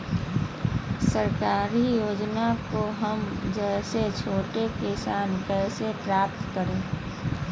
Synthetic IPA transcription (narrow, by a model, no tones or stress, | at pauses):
səɾkaːɾijoːd͡ʒnakoɦəmd͡ʒɛːset͡ʃʰoːʈekɪsaːnkɛːsepɾaːp̚t̪kəɾẽː